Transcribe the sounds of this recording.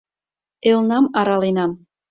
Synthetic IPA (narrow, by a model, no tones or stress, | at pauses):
elnɑmɑɾɑlenɑm